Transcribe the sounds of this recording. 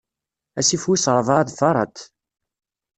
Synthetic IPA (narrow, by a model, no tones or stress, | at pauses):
æsifwisɾˤvɑðfɑɾˤɑ̰t̪